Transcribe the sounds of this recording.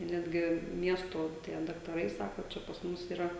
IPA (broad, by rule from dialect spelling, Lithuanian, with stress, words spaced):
ˈnʲæːdʲɡʲɪ ˈmʲiɛstoː tʲiɛ dɐktɐˈrɐɪ ˈsɑːkoː ˈt͡ʃʲɛ pɐs ˈmʊs iːˈrɐ